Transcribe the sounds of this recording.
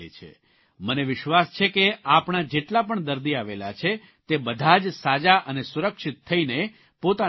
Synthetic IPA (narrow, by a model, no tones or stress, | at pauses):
ḛt͡ʃʰḛ | məneʋɪʃʋast͡ʃʰekeapɳad͡ʒeʈlapəɳd̪əɾd̪iaʋelat͡ʃʰe | t̪ebəd̪ʱad͡ʒsad͡ʒaʔənesuɾəkʃɪt̪ʰːəine | pot̪a